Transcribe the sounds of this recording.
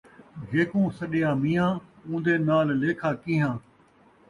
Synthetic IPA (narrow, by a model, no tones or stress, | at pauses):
d͡ʒeːkũːsəɗɪjãːmiːjãːũːnd̪eːnaːlleːkʰaːkĩɦãː